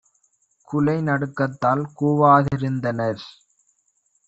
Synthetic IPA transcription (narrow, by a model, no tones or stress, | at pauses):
kʊlɐɪnɐɽɯkːɐt̪ːaːlkuːʋaːðɪɾɯnd̪ɐnɐɾ